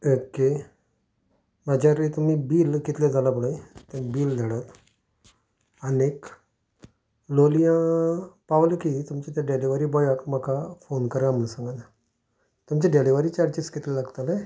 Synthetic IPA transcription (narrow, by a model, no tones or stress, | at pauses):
oke | mad͡ʑaɾet̪um̤iːbiːlkit̪led͡zʱalapəɽajt̪anibiːld̪ʱaɽat̪ | anek | lolijãpaʋlkit̪umt͡ɕet̪jaɖeliʋaɾiːbɔjakm̤əkʰafonkəɾam̤əɳsãŋɡana | t̪umt͡ɕeɖeliʋaɾiːt͡ɕaɾt͡ɕiskit̪lelaɡt̪alẽ